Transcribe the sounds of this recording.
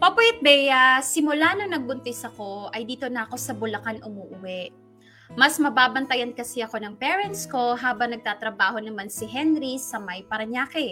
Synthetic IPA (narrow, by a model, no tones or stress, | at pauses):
pɐpwɛt̪̚bɛjasɪmʊlaːnoŋnɐɡ̚bʊnt̪ɪsɐko̞ʔɐjd̪iːt̪o̞nɐːko̞sɐbʊlɐkanʔʊmuːʔʊwɛʔ | mɐsmɐbaːbɐnt̪ɐjɐnkɐsɛɐko̞nɐŋpɛːɹɛnt̪sko̞ɦaːbɐŋnɐɡ̚t̪aːt̪ɾɐbaːho̞nɐmansɪɦɛnɾisɐmɐjpɐɾɐɲaːkɛ